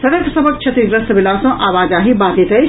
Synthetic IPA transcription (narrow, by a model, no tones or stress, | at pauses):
sɐɾɐksɐbɐk̚t͡ʃʰɐt̪iɡɾɐst̪ʋɪlaːsõʔaːʋaːd͡ʒaːɦibaːd̪it̪ɐi